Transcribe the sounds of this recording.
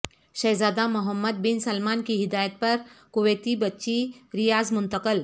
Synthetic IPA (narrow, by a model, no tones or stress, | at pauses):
ɕəjzad̪amuɦəmːəd̪̚binsɐlmankiɦid̪ajət̪̚pəɾkuʋet̪ibətːʃiɾijad͡zmunt̪əkəl